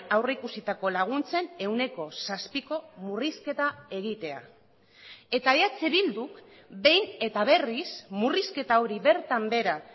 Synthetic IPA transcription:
awreikusit̪ako̞laɣ̞unt͡se̞ne̞wne̞ko̞saspiko̞muriske̞t̪ae̞ɣit̪e̞a̰ | e̞t̪ajat͡seβild̪uk | be̞jne̞t̪aβ̞e̞rismuriske̞t̪ao̞ɾiβe̞ɾt̪ambe̞ɾa

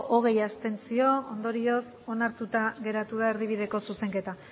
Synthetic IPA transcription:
ʔoɣ̞e̞jast̪e̞nt͡sio̞ond̪o̞ɾio̞s | o̞naɾt̪ut̪aɣe̞ɾat̪uð̞ae̞ɾðiβ̞iðe̞ko̞suse̞ŋke̞t̪a

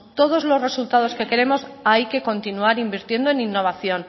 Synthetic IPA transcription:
t̪o̞ð̞o̞zlo̞zre̞sult̪að̞o̞ske̞ke̞ɾe̞mo̞sajke̞ko̞nt̪inuaɾimbiɾt̪je̞nd̪o̞eninːo̞βaθjo̞n

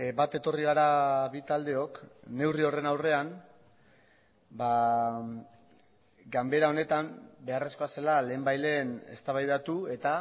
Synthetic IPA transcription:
bat̪e̞t̪o̞riɣ̞aɾaβit̪ald̪e̞o̞kne̞wrio̞re̞nawre̞an | ba | ɡambe̞ɾao̞ne̞t̪ambe̞are̞sko̞ase̞lale̞ːmbajle̞ne̞̰st̪aβajðat̪ue̞t̪a

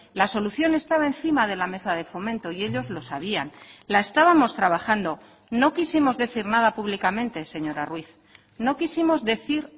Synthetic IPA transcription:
laso̞luθjo̞ne̞st̪aβae̞nθimað̞e̞lame̞sað̞e̞fo̞mẽ̞nt̪o̞ie̞ʎo̞zlo̞saβ̞ianlae̞st̪aβamo̞st̪ɾaβ̞axand̪o̞ | no̞kisimo̞zðe̞θiɾnaðapuβlikamẽ̞nt̪e̞se̞ɲo̞ɾarwiθ | no̞kisimo̞zðe̞θiɾ

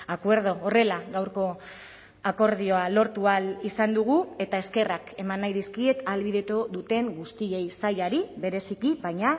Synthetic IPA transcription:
akwe̞ɾð̞o̞ːre̞laɣawɾko̞ | ako̞ɾðio̞alo̞ɾt̪ualisand̪uɣ̞ue̞t̪ae̞ske̞rake̞manːajðiskie̞t̪alβið̞e̞t̪oðut̪e̞ŋɡust̪ie̞jsajaɾiβe̞ɾe̞sikiβajɲa

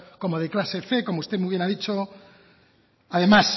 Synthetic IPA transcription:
ko̞moð̞eklaseθeko̞moust̪emujβje̞naðit͡ʃo | aðe̞mas

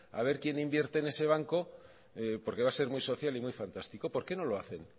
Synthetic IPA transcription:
a̰β̞e̞ɾkje̞nimbje̞ɾt̪e̞ːne̞se̞β̞aŋko̞ | po̞ɾke̞βase̞ɾmuijso̞θjalimwujfant̪ast̪iko̞po̞ɾke̞no̞lo̞aθe̞n

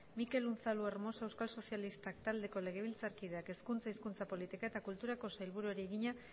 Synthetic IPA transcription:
mike̞lunθalueɾmo̞se̞wskalso̞sjalist̪akt̪ald̪e̞ko̞le̞ɣ̞e̞β̞ilt͡saɾkiðe̞ake̞skunt͡saiskunt͡sapo̞lit̪ikae̞t̪akult̪uɾako̞sajlβuɾueɾieɣiɲa

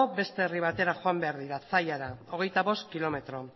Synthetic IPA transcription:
obe̞st̪e̞ːriβ̞at̪e̞ɾaxoambe̞aɾðiɾasajaɾao̞ɣ̞e̞jt̪aβo̞st̪kilo̞me̞t̪ɾo̞

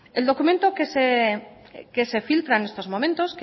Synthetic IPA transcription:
e̞ld̪o̞kument̪okese | ke̞sefilt̪ɾaene̞st̪o̞zmo̞mẽ̞nt̪o̞ske

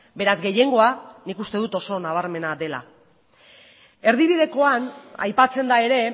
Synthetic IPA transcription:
be̞ɾazɡe̞je̞ŋɡo̞anikust̪e̞ð̞ut̪o̞so̞naβ̞aɾme̞naðe̞la̰ | e̞ɾðiβ̞iðe̞ko̞ana̰jpat͡se̞nd̪ae̞ɾe̞

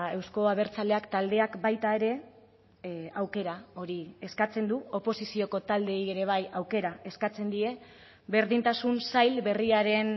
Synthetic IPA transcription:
e̞wsko̞aβ̞e̞ɾt͡sale̞akt̪ald̪e̞akbajt̪ae̞ɾe̞ | awke̞ɾao̞ɾie̞skat͡se̞nd̪uo̞po̞sisio̞ko̞t̪ald̪e̞je̞ɾe̞β̞ajawke̞ɾae̞skat͡se̞nd̪ie̞ | βe̞ɾðint̪asunsajlβe̞riaɾe̞n

